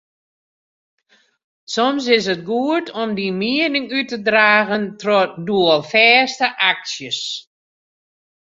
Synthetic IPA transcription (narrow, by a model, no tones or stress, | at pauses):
sɔms̬ɪs̬ət̚ɡuətʰɔmdimiənɪŋytədraːɣəntrɔtduəlˠfɛːstəʔaksjəs